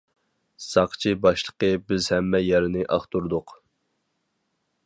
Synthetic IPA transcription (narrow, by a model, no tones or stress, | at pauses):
sɑqt͡ʃʰibɑʃlˠəqəbɪzhɛmːɛjɛɾɪnɪʔɑχt̪uɾd̪ʊq